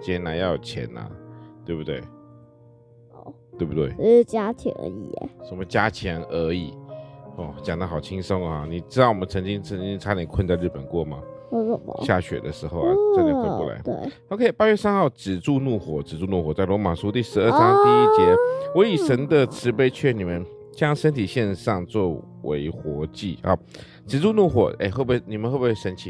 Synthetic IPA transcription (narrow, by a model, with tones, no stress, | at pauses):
t͡ɕjɛ˧˥na˧˦njɑ˥˩ʊjt͡ɕʰjɛ̰˧˥nɐ̰˨t̪we˥˩ɪbu˧t̪wḛ˥˩ɪ˧˩ | t̪we˥˧˩bu˥˩t̪wḛ˥˩ɪ˥˧˩t͡ɕja˥t͡ɕʰjɛ̰˧˥nə̰˧˥ḭ˨˩˨ʂə˨˩mə˦t͡ɕja˦˥t͡ɕʰjɛ˧˥nə˧˥i˨˩ɔ˥˩t͡ɕja˨˩ŋd̪ə˦xɑ˨˩ʊt͡ɕʰi˦ŋʂo˥ŋ˨a˨ni˨˩ʈ͡ʂɻ̩˥t̪ɑ˥˩ʊwɔ˨˩mə˦nt͡sʰɤ˧˥ŋt͡ɕi˦ŋt͡sʰə˧˦ŋt͡ɕĩ˦ŋt͡sʰa˥ljɛ˨˥nkʰwə˥˧nt͡sa˥˧ɪɻ̩˥˩pə˨˩nkwɔ˥˩ma̰˨˩˥o˥˩m̰˨ɕja̰˥˩ɕɥɛ̰˨˩d̪ə˦ʂɻ̩˧˦xo˥˩ʊa̰˨˦t͡ɕa˥˨˦xe˥˧wɔ̰˥˩la̰˧˦ɪt̪we˥˩ɪo˨˧ʊkʰe˥ɪpa˥ɥɛ˥˧˩sa˥nxɑ˥˩ʊʈ͡ʂɻ̩˨˩ʈ͡ʂu˥˧nu˥˩xwɔ˨˩ʈ͡ʂɻ̩˨˩ʈ͡ʂu˥˧nu˥˩xwɔ˨˩˦t͡sa˥˩ɪlwɔ˧˥ma˨˩ʂu˥t̪i˥˩ʂɻ̩˧˥ə˞˥˧ɑ˥˦ŋt̪i˥˧i˥˩t͡ɕjɛ˧˥wɔ˧˥i˨˩ʂə˧˥nd̪ə˨ʈ͡ʂʰɻ̩˧˥pe˥ɪt͡ɕʰɥɛ˥˩ni˨˩mə˨˦n | t͡ɕjɑ˥˦ŋʂə˥nt̪ʰi˨˩ɕjɛ˥˧nʂɑ˥˧ŋt͡swɔ˥˩ | wḛ˧˥ɪxwɔ˧˥t͡ɕi˥˩ɑ̰˨˩ | ʈ͡ʂɻ̩˨˩ʈ͡ʂu˥˧nu˥˩xwɔ̰˨˩˦ʔḛ˥˧xwbu˩˥˩ni˨˩mə˦xwe˥˩bu˧˥˩we˥˩ʂə˧˥nt͡ɕʰi˨˩